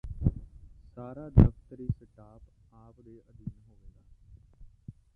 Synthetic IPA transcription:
saːɾaːd̪əft̪əɾiːsəʈaːpaːpd̪eːʔəd̪iːnɦoːʋeːɡaː

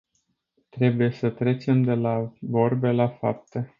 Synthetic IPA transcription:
t̪ɾe̞bujesət̪ɾe̞t͡ʃe̞md̪e̞lavo̞rbe̞lafap̚t̪e

